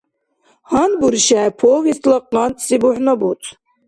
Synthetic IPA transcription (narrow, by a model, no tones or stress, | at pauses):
hɑnbuɾʃæpʰovist̪lˠəqːɑnsibuħnabut̪ʰʼ